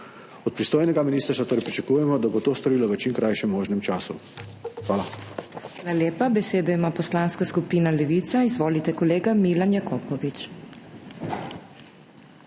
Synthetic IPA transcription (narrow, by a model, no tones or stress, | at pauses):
ɔt̪pɾist̪oːjnɛɡaminiːst̪əɾsat̪oːɾɛjpɾit͡ʃakuːjɛmɔd̪abot̪oːst̪ɔɾiːlɔʋət͡ʃimkɾajʃɛmːoːʒnɛmt͡ʃaːsuxʋaːlaalaljeːpabɛseːd̪ɔimaːpɔslaːnskaskupiːnalɛʋit̪saizʋoːlit̪ɛkɔleːɡamiːlanjakɔːpɔʋit͡ʃ